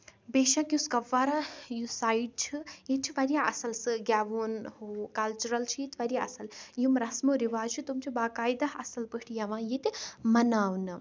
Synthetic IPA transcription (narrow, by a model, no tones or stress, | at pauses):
beːʃãkjuskɐʋːaːɾajusaːiɖ̚t͡ʃʰijit̪t͡ʃʰiʋɐɾijaʔɐsɐlsɨɡjaːʋoːnɦoːkɐlt͡ʃuɾɐlt͡ʃʰijit̪ʲʋɐɾjaɐ̰sɐljumɾɐsmoɾiʋaːt͡ʃʰut̪umt͡ʃʰibaːkaːjd̪aɦɐsɐlpɨʈʰijɐʋãːjet̪ʲimɐnaːwnɨ